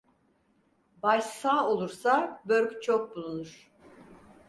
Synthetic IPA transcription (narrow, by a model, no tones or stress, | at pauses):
baʃsaːo̞lˠuɾsabøɾʲkʲt͡ʃʰok̚bulˠunuɾ̥